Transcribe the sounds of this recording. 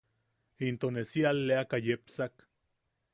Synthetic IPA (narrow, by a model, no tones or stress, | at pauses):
int̪onesialːeakajepsak